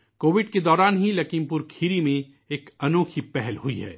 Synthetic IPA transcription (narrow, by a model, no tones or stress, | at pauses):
koːʋɪɖked̪ɔːɾaːnɦilɐkiːmpʊɾkʰiːɾimẽ | eːkɐnoːkʰipɛɦɛlɦuiɦɛ̰ː